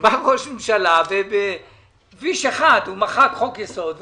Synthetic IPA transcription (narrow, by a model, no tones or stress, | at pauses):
baʁoʃmemʃalavebe | viʃeχad̪humaχakχokjeso̞d̪